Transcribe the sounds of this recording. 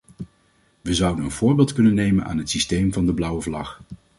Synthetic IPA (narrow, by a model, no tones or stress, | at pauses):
ʋəzʌwdənənv̥ʊːɹbɪːlˠtkɵnənːejmənʔa̰ːnɦətsistejmvɑndəblʌwəvlɑχ